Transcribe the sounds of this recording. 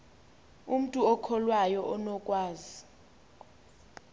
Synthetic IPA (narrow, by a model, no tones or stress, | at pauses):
um̩tʼuɔkʰɔlwajɔʔɔnɔkʼwaːzi